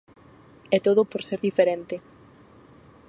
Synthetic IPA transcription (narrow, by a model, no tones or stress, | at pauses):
ɛt̪oðopoɾseɾðifeɾent̪e